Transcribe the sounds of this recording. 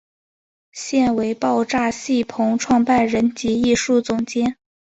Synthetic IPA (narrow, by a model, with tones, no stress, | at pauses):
ɕjɛ˥˩nwe˧˥ɪpɑ˥˧ʊʈ͡ʂa˥˧ɕi˥˩pʰʊ˧˥ŋʈ͡ʂʰwɑ˥˧ŋpa˥˩nɻə˧˥nt͡ɕi˧˥i˥˧ʂu˥˩t͡sʊ˧˥ŋt͡ɕjɛ˥n